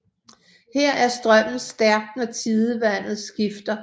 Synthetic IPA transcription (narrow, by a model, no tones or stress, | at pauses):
heɐ̰æɐsd̥ʁɶm̰n̩sd̥æɐɡ̥nət͡sʰiðˠəʋæn̰ð̩ˠsɡ̥ifd̥ɐ